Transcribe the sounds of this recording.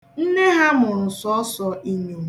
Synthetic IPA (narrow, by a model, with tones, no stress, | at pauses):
n̩˦ne˦ɦa˦mʊ˨ɾʊ˨sɔ˦ɔ˦sɔ˨ʔi˨ɲo˨